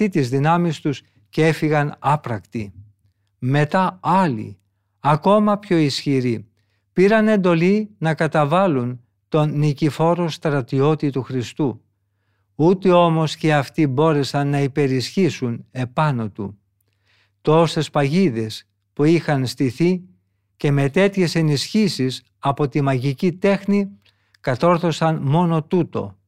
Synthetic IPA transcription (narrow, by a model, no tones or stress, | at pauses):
it̪izðinɐmist̪us | ce̞fiɣɐnɐpɾɐkt̪i | me̞t̪ɐɐlḭ | ɐko̞mɐpço̞isçiɾi | piɾɐne̞nd̪o̞linɐkɐt̪ɐvɐlun | t̪o̞nnicifo̞ɾo̞st̪ɾɐt̪io̞t̪it̪uxɾist̪u | ut̪eo̞mo̞sce̞ɐft̪ibo̞ɾe̞sɐnːɐipe̞ɾisçisune̞pɐno̞t̪ṵ | t̪o̞st̪e̞spɐʝiðe̞s | puixɐnst̪iθi | ce̞me̞t̪e̞t̪çe̞se̞nisçisis | ɐpo̞t̪imɐʝicit̪e̞xni | kɐt̪o̞ɾθo̞sɐnmo̞no̞t̪ut̪o̞̰